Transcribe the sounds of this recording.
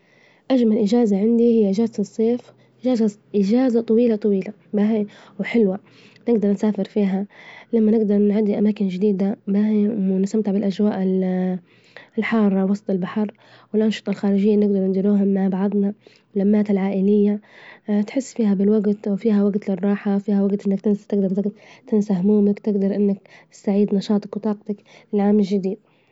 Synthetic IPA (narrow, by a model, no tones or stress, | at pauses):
ʔad͡ʒmalʔɪd͡ʒaːzaʕɪnd̪ihɪjːaʔɪd͡ʒaːzat̪ɨsˤːeːf | ʔɪʒaːzaʔɪd͡ʒaːzat̪ˤɑwiːlat̪ˤɑwiːla | baɦi | wħɪlwa | nɪɡd̪ɑɾˤnsaːfɪɾfiːɦalamːanɪɡd̪ɑɾˤnʕad̪iʔamaːkɪnd͡ʒɪd̪iːd̪abahɪmnɪst̪amt̪ɪʕbɪlʔad͡ʒwaːʔɪl | lħɑːrˤːɑwɑsˤt̪ˤɪlbaħɑɾˤ | wɪlʔɑnʃɨ̥t̪ˤɑlxaːɾɪʒɪjːanɪɡ̚d̪ɑɾˤnd̪ɪɾuːɦʊmːaʕbaʕɑd̪ˤnɑ | lamːaːt̪ɪlʕaːʔɪlɪjːat̪ħɪsːfiːɦabɪlwaɡt̪wfiːɦawaɡt̪lɪrˤːɑːħawfiːhawaɡt̪ʔɪnːakt̪ɪnst̪ɪɡd̪ɑɾˤɪɡt̪t̪ɪnsahmuːmakt̪ɪɡd̪ɑɾˤʔɪnːɪkt̪ɪ̥st̪aʕiːd̪nɑʃɑːt̪ˤɑkwt̪ˤɑːq̚t̪ak | lɪlʕaːmɪlʒɪd̪iːd̪̥̚